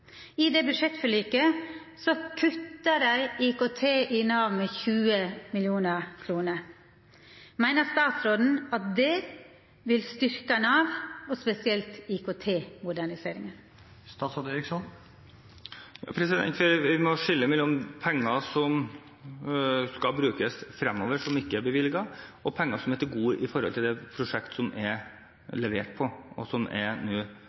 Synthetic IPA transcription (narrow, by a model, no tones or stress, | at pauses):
ɪd̪ɛbʉd̪ʂɛt̪fɔɭiːkə | sɔkʰʉt̪ːəɾæɪɪkot̪ʰeːʔɪnɑːʋmɛçʉːəmɪljuːnəɾkʰɾuːnəɾ | mæɪnəst̪ɑːt̪sɾoːd̪n̩ɑt̪̚d̪ɛ | ʋɪlst̪ʏɾkənɑːʋɔspɛsɪɛlt̪ɪkot̪ʰeːmʊd̪æɳɪseːɾɪŋən | st̪ɑːsɔd̪eɾɪksɔn | jɑ̰ːpʰɾɛsɪd̪ɛ̰nt̪ʋɪʋɪmɔʂɪlːəmɛlːɔmpʰɛŋːɑsɔm | skɑlbɾʉːkəsfɾɛmːɔːʋəʂɔmɪkːəæɾbəʋɪlɪɡɑɔpʰɛŋːɑsɔmɛt̪ɪlɡuːəʔɪfɔɾhɔlt̪ʰɪld̪ɛpʰɾʊʂɛkt̪sɔmɛɾ | lɛʋeːʈ̚pʰɔɔ̰sɔmʔɛ̰ɾnuː